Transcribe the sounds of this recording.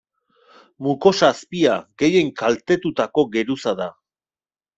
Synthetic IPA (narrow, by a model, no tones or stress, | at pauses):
muko̞saspiaɡe̞je̞ŋkalt̪e̞t̪ut̪ako̞ɡe̞ɾusaða